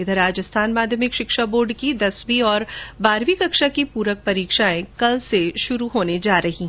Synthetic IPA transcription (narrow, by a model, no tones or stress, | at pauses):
ɪd̪ɾaːd͡ʒəst̪ʰaːnmaːd̪ʱjəmɪkʃɪkʃaboːɾɖkid̪ɐsbiɔːɾbaːɾʋikɐkʃakipuːɾək̚pɐɾiːkʃaẽkɐlseʃʊɾuɦoːned͡ʒaːɾɐɦĩ